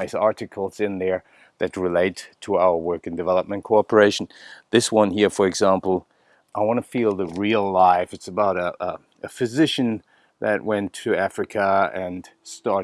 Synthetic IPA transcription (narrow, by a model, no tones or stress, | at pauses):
ɪsɑɹɾɨkʰl̩ˠz̥ɪ̃nðə˞ | ðɨt̚ɹɨleɪtʰəaʊə˞wɜ˞kɨ̃n̩dɨvɛlˠəp̚mɨ̃nkʰoɑpə˞eɪʃn̩ðɪswʌ̃nhiɹfə˞ɨɡzæ̃mpl̩ˠ | ʔaɪwɑ̃ñɨfilˠðɨɹilˠlaɪfɨtsəbaʊɾə | ʔɨfɨzɪʃɨ̃n | ðɨt̚wʔɛ̃ntʰɨæfɹɨkʰəɨ̃nstɑɹ